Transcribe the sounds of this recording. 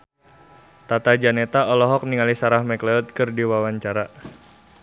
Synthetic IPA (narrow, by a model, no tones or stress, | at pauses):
t̪at̪ad͡ʒanɛt̪aɔlɔɦɔk̚niŋalisaɾahmɛklɛɔt̪̚kɨrdiwawaɲt͡ʃaɾa